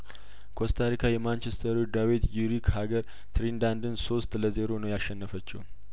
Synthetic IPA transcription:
kʰost̪ʰaɾikʰajɛmant͡ʃest̪ʰəɾud̪awit̪juɾikhaɡəɾ | t̪ʰɾind̪and̪ɨnso̞st̪ləzeɾo̞nəwjaʃːɛnːəfət͡ʃːɛ̰w

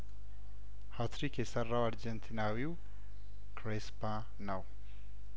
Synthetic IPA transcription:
hat̪ʰɾikesɐrːawaɾd͡ʒɛnt̪ʰinawiw | kʰɾespã | naw

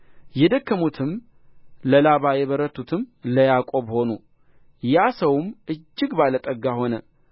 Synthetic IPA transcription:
jɛd̪əkːəmut̪ʰɨm | ləlaβajɛβəɾət̪ʰːut̪ʰɨmləjakʼo̞βho̞nu | jasəwmʔɨd͡ʒːɪɡbalət̪ʼəɡaho̞nə

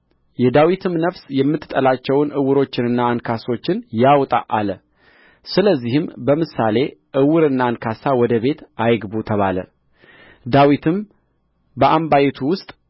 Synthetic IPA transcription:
jɛd̪awit̪ʰɨmnəfsjɛmːɨt̪ːɨt̪ʼːəlat͡ʃːɛwnʔɨwɨɾo̞t͡ʃːɪnɨnːaːnkʰaso̞t͡ʃːɪnjawt̪ʼa̰ʔalə | sɨləzːihɨmbəmɨsale̞ʔɨwɨɾɨnːankʰasawɔd̪əβe̞t̪ʔajɡbut̪ʰəβalə̰ | d̪awit̪ʰɨm | bəʔambajt̪ʰuwʊst̪ʼ

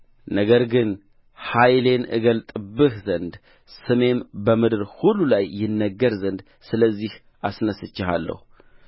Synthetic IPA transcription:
nəɡəɾɡɨn | hajle̞nɨ̰ɡəlt̪ʼɨbːɨhzənd̪ | sɨme̞mbəmɨd̪ɨɾhulːulajːɪnːəɡːəɾzənd̪ | sɨləzːih | ʔasnəsɨt͡ʃːɪha̰lːə̰hu

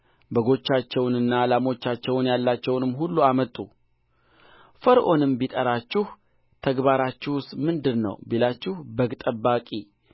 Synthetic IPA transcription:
bəɡo̞t͡ʃːat͡ʃːɛwnɨnːalamo̞t͡ʃːat͡ʃːɛwnjalːat͡ʃːɛwnɨmɦulːuamət̪ʼːṵ | fəɾʔo̞nɨmbit̪ʼəɾat͡ʃːɪh | t̪ʰəɡbaɾat͡ʃːɪwʊst̪mɨnd̪ɨɾnə̰wbelat͡ʃːɪhbəɡt̪ʼəbːakʼi

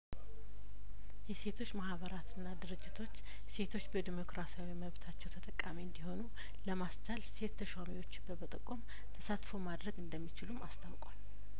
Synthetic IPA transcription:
jɛse̞t̪ʰo̞t͡ʃːmahβəɾat̪ʰɨnːad̪ɨɾɨd͡ʒːɪt̪ʰo̞t͡ʃː | se̞t̪ʰo̞t͡ʃːbəd̪imo̞kɾasijawiməβt̪ʰat͡ʃːɛwt̪ʰət̪ʼəkʼːamiɨnd̪iho̞nu | ləmast͡ʃʼalse̞t̪ʰːəʃwamiwo̞t͡ʃːɪbəbət̪ʼəkʼːom | t̪ʰəsat̪ʼfomad̪ɾəɡɨnd̪əmːit͡ʃɪlumast̪ʰawkʼwal

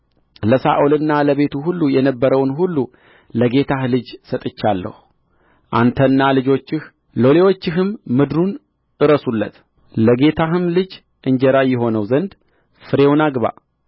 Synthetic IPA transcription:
ləsa̰ʔolɨnːaləβe̞t̪ʰuɦulːujɛnəbːəɾəwnɦulːu | ləɡe̞t̪ʰahlɨd͡ʒsət̪ʼɨt͡ʃːalːə̰hu | ʔa̰nt̪ʰənːalɨd͡ʒo̞t͡ʃːɪh | lo̞le̞wo̞t͡ʃːɪɦɨmːɨd̪ɾun | ʔɨɾəsulːə̰t̪ | ləɡe̞t̪ʰaɦɨmlɨd͡ʒ | ʔɨɲd͡ʒɛɾajːɪɦo̞nəwzənd̪ | fɨɾe̞wnaɡβa̰

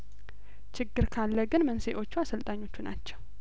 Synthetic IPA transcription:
t͡ʃʰɪɡːɨɾkʰalːəɡɨnmənse̞ʔo̞t͡ʃːuasəlt̪ʼaɲːo̞t͡ʃːunat͡ʃːɛw

